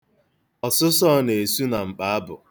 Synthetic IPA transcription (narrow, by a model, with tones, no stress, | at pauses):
ɔ˨sʊ˦sɔ˦ne˨su˦na˨ŋ͡m̩˨k͡pa˨a˦bʊ̰˨